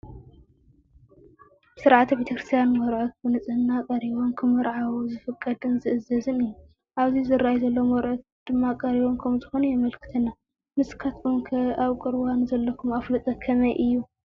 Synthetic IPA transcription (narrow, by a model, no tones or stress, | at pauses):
bsɨɾʕat̪bet̪ʰɐkɾɨst̪ʰijanmɔɾʕot̪̚bɨnɨt͡sʼɨhɨnːakʼɐɾiβonkʰɨmɨɾʕawuzɨfɨkʼːɐd̪ɨnzɨʔɨzɐzɨnɨjːu | ʔaβzizɨɾːajizɐlːomɔɾʕot̪̚d̪̥ɨmːakʼɐɾiβonkʰɐmzɨxonujɛmɐlkʰɨ̥t̪ʰɐnːa | mɨskʰat̪kumkʰɐʔaβkʼɨɾwanzɐlːɐkʰumaflɨt̪ʼɐkʰɐmɐjʔɨjːu